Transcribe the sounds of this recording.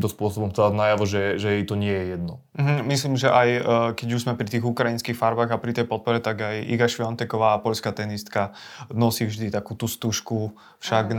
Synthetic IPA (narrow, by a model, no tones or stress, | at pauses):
mt̪ɔspʊɔsɔbɔmt̪ɛanajaʋɔʒɛʒɛjɛjt̪ɔɲɪɛjɛjɛd̪nɔ | m̩ɦm̩misliːmʒɛʔajkɛɟuʒzmɛpɾit̪iːɣukɾainskiːxfaɾbaːɣapɾit̪ɛjpɔt̪̚pɔɾɛt̪aɡajḭɡaʃʋiɔnt̪ɛkɔʋaːpɔʎskat̪ɛnist̪kanɔsiːvʒd̪it̪akuːt̪ust̪uʃku | fʃaɡn